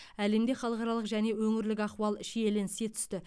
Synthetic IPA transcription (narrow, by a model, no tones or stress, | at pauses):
æle̞md̪e̞χɑlˠəqɑɾɑlˠəqʒæne̞wɵŋɪɾlɪkʲɑqwɑlˠʃeje̞lɪnse̞t̪ʰʏ̥st̪ɪ